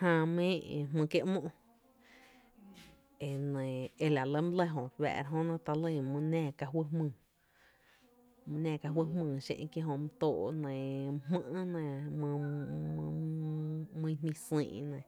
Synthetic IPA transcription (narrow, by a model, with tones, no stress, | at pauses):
hãː˧mẽː˦ʔmɨ̃ː˧ke˧ʔmõ˦ʔ | e˨nẽ˨e˧la˨lə˦m˦lə˧ɦõ˨βɛ̰˧˨˧ɾɦõ˦nã˦˧t̪a˧lə˧˨mũ˧nãː˦˨ka˧ɦwə˦hmɨ̃ː˧˨ | mũ˧nãː˧˨ka˧ɦwə˦mɨ̃ː˧˨ʃḛ̃˧ʔkje˦ɦõ˧m˧t̪oː˧˨ʔnẽ˨mmə̃˦ʔnẽ˧mɨ̃˧ | mĩ˧˦ɦmĩ˧sḭ̃ː˧˨˧nẽ˨